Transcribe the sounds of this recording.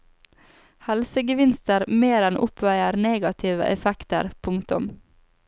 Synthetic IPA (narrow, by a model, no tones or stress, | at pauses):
hɛlsəɡəʋɪnst̪əɾmeːɾɛnʔʊpʰʋæɪəɾneːɡɑt̪ʰɪːʋə̰ʔɛfɛkt̪ə̰ɾpʰʊŋkt̪ʊ̰m